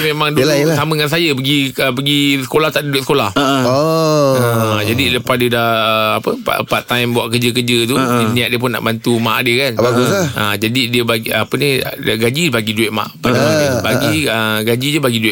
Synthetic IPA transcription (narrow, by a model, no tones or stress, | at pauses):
memãŋdulalsamə̃ŋans̬ajəpəɡiəpəɡisə̥kolaht̪aʔdiduwɛt̪səkolahoəd͡ʒadiləpasdədaapəpa̰pat̪ajmbuaʔkəd͡ʒəkəd͡ʒət̪̬uniaʔ̚diəp̬ʊna̰ʔbant̪uma̰ʔdiəkanbaɡusaad͡ʒadidiəbaɡpəniɡad͡ʒibaɡiduɪt̪̚ma̰ʔbadaaabaɡiəɡad͡ʒid͡ʒəbaɡiduɪ